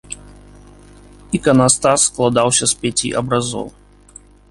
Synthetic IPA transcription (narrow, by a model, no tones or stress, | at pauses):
ikɐnast̪asːklˠad̪awsʲɐspʲat͡sʲḭʔɐ̰bɾazɔ̰w